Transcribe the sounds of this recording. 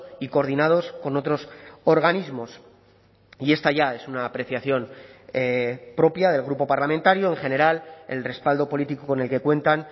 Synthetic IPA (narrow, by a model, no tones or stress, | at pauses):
iko̞ɾðinað̞o̞sko̞no̞t̪ɾo̞so̞ɾɣ̞anizmo̞s | ie̞st̪aʝaesunaːpɾe̞θjaθjo̞n | pɾo̞pjaðe̞lɣɾupo̞paɾlament̪aɾjoe̞ŋχe̞ne̞ɾale̞̰lre̞spald̪o̞po̞lit̪ikoko̞ne̞lke̞kwe̞nt̪an